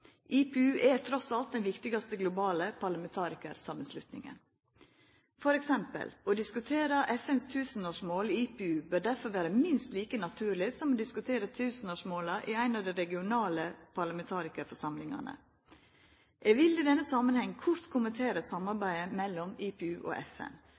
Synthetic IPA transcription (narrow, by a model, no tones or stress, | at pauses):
ʔiːpeʉːʔɛt̪ʰɾɔsɑlt̪̚d̪ɛnʋɪkt̪ɪɡɑst̪əɡlʊbɑːləpʰɑɾɭɑmɛnt̪ʰɑːɾɪkə̰ɾsɑmənslʉ̰t̪nɪ̰ŋə̰n | fɔɾɛksɛmpə̰loːd̪ɪskʉt̪ʰeːɾəʔɛfɛnst̪ʰʉːsən̩oːʂmoːliiːpeʉːbœɾɖæɾfɔɾʋæːɾəmɪnst̪liːkənɑt̪ʰʉːɾɭɪsɔmoːd̪ɪskʉt̪ʰeːɾət̪ʰʉːsən̩oːʂmoːlɑʔiæɪnɑʋd̪æɪɾɛɡɪʊnɑːləpʰɑlɑmɛnt̪ʰɑːɾɪkəɾfɔʂɑmlɪŋɑ̰nə̰ | ʔeːɡʋɪlid̪ɛnːəsɑmənhɛŋːkʰʊɾt̪kʰʊmənt̪ʰeːɾəsɑmːɑɾbæɪəmɛlːɔmiːpɛʉːʔo̰ːʔɛfɛ̰n